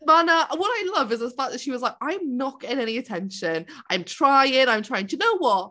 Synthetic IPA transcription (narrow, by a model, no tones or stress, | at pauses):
manəəwʌɾaɪlʌvɨzðəfak̚ðɨtʃiwɒzlaɪk̚ãɪ̃mnɒkɪ̃nɛniɨtʰɛ̃nʃɨ̃nʔãɪ̃mtʰɹ̥aɪɪ̃ŋãɪ̃mʰɹ̥aɪɪ̃ŋtʰənoʊwʌt̚